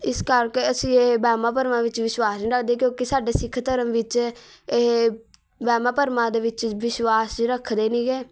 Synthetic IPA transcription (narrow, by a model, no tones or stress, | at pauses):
ɪskəɾkeːəsĩːebɛːmãːp̬əɾmãːʋɪt͡ʃʋɪswaːsnĩːɾəkʰd̪eːkjõːkisaːɖeːsɪkʰt̪əɾəmʋɪt͡ʃe | bɛːmãːpəɾmãːd̪eːʋɪt͡ʃʋɪʃwaːsɾəkʰd̪eːnĩːɡeː